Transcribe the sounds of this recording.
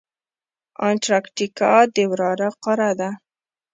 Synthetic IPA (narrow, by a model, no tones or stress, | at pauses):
anʈɾɑkʈikɑd̪ewɾɑɾaqɑɾad̪a